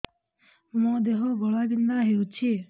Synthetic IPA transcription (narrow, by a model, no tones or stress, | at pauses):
mũd̪eɦɔɡɔɭaɡind̪aɦewt͡ʃʰi